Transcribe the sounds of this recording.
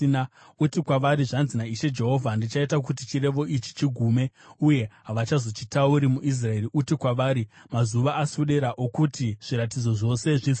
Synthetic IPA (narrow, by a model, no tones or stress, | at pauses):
na | utikwaʋaɾiʐanzinaiʃe̞d͡ʒe̞ɦo̞vʱandit͡ʃaitak̬utit͡ʃiɾe̞ʋo̞ʔit͡ʃi̥t͡ʃiɡʱuːme̞uje̞ɦaʋat͡ʃazo̞t͡ʃitauɾimuʔis̬rae̞riʔutikwaʋaːɾimazuʋaːsuɗe̞ɾaʔokutiʐ̥iɾat̬id͡zo̞ʐo̞se̞ʐis